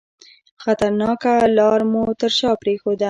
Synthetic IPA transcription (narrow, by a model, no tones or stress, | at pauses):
xat̪aɾnɑkalɑɾmut̪əɾʃɑpɾexod̪a